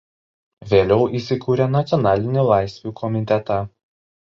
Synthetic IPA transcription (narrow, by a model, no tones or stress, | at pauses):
ʋʲeːlʲɛʊʔiːsʲɪkuːɾʲɛnɐt̪sʲjɔnɑːlʲɪnʲɛlˠɑˑɪsʲʋʲuːˑkʰɔmʲɪt̪ʲɛt̪ɑ